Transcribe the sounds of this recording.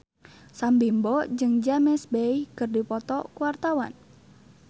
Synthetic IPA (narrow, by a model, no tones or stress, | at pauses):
sambimbɔd͡ʒɨŋd͡ʒamɛsbɛihkɨrdipɔt̪ɔkuwart̪awa̰n